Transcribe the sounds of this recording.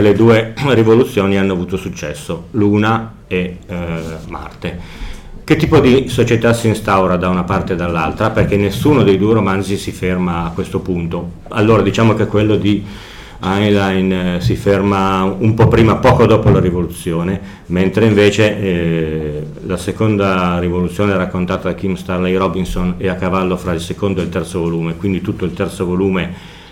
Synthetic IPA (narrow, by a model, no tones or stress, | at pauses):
eled̪uːerivolut̪sːjoːnianːoavuːt̪osut͡ʃːɛsːoluːna | e | ma̰rt̪e | k̟et̪ːiːpod̪isot͡ʃet̪asiːnst̪awɾad̪aunapart̪ed̪alːa̰lt̪ɾaperk̟enːesːuːnod̪ejd̪uːeɾomand̪zisifermaːkːwest̪opunt̪o | a̰lːoːɾad̪it͡ʃaːmok̟ekːwelːod̪i | ajlajnsifermaumpɔpɾiːmapɔːkod̪oːpolaɾivolut̪sːjoːne | ment̪ɾeiɱveːt͡ʃe | lasekond̪arivolut̪sːjoːneɛɾakːont̪aːt̪ad̪akimst̪arlejrɔbinsoneakːavalːofɾailsekond̪oelt̪ɛrt̪sovoluːmekwind̪it̪ut̪ːoilt̪ɛrt̪sovoluːme